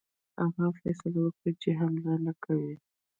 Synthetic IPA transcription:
aɣafɛ̰sɪlawəkɽat͡ʃeɦamlalakʰawi

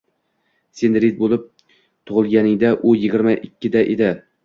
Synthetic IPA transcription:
senɾid̪̚bolˠɪp̚ | t̪ʰʊʁɨlˠɡʲanɪŋd̪aʔʊjɪɡʲɪɾmaʔɪkʲʰːɪd̪aʔed̪ɪ

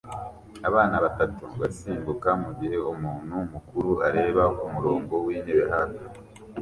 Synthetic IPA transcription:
aβaːnaβatatuβasiːmbukamuɟiɦe̞umuːn̤̥humukuɾuaɾe̞ːβaumuɾoːŋɡo̞wiːneβeɦato

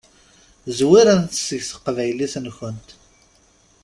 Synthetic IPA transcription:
zwiɾænt̪əsəʝsə̥qvæjlisnçənt̪

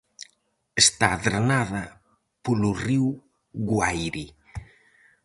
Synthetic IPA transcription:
est̪aðɾanaðɐ | poluriw | ɣwajɾi

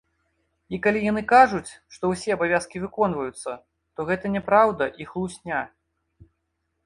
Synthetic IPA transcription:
ikalʲijanɨkaʐut͡sʲʂt̪ɔwsʲɛɐbavʲaskʲivɨkɔnvɐjut̪sːɐ | t̪ɔɣɛt̪ɐnʲɛpɾawd̪ɐʔixlˠusʲnʲa

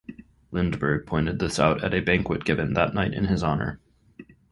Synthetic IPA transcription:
lɪ̃ndbə˞pʰɔ̃ɪ̃ntɨd̪̚ðɪsa̰ʊɾɨ̰ɾɨbæ̃ŋkwɨt̚ɡ̥ɪvɨ̃nðətⁿnaɪɾʔɨ̰̃nɨzɑnə̰˞

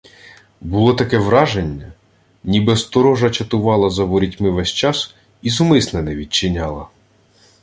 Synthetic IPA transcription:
bʊlˠɔt̪ɐkɛʋɾɑʒenʲːɐ | nʲibɛst̪ɔɾɔʒɐt͡ʃɐt̪ʊʋɑlˠɐzɐʋɔɾʲitʲmɪʋɛsʲt͡ʃɑs | izʊmɪsnɛnɛʋʲid̚ʲt͡ʃɪnʲɑlˠɐ

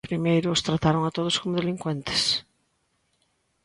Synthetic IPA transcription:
pɾimejɾʊːst̪ɾat̪aɾoŋat̪oð̞ʊskomʊðeliŋkwẽnt̪ɪ̥s

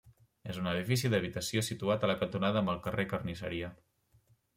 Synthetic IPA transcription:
ezunəð̞ifisiðəβ̞it̪əsiosit̪uat̪ələkənt̪unaðəːmbəlˠkərekərnisə̰ɾiə

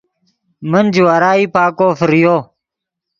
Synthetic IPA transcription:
mənd͡ʑuwaɾaːiːpaːkoːfəɾjoː

